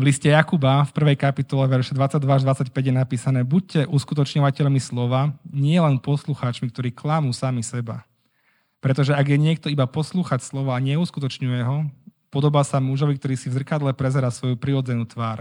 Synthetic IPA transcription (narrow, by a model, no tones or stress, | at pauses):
ʋliscɛjakubafpr̩ʋɛjkapit̪ɔlɛʋɛɾʃɛd̪ʋat͡sːaɟ̚d̪ʋaaʒd̪ʋat͡sacpɛɟjɛnapiːsanɛːbuc̚cɛʔuskut̪̬ɔt͡ʃɲɔʋacɛʎmislɔʋaɲɪɛlɛnpɔsluxaːt͡ʃmik̚t̪ɔɾiːklamuːsamisɛba̰ | pɾɛt̪ɔʒɛaɡjɛɲɪɛk̚t̪ɔibapɔsluːxacslɔʋɔaɲɛuskut̪ɔt͡ʃɲujɛɦɔpɔd̪ɔbaːsamuʒɔʋik̚t̪ɔɾiːsivzr̩kad̪lɛpɾɛzɛɾaːsʋɔjupɾiɾɔd͡zɛnuːt̪ʋaːɾ